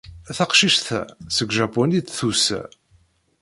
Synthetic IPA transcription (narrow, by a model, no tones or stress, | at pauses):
θaqʃiʃθæ̰səɡʒaponit̪θusæ̰